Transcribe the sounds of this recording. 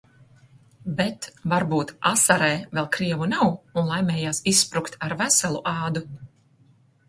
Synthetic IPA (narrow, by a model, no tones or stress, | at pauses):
bɛt̪vaɾbuːt̪asaɾɛjvɛlˠkɾiɛvunawunlˠajmʲɛːjaːsisːpɾukt̪aɾvæsalˠuʔaːd̪u